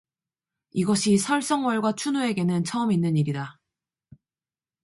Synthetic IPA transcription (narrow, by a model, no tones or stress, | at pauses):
iɡʌɕʰisʰʌɭs͈ʌŋwʌɭɡwat͡ɕʰunoe̞ɡe̞nɯnt͡ɕʰʌɯminːɯɲiɾida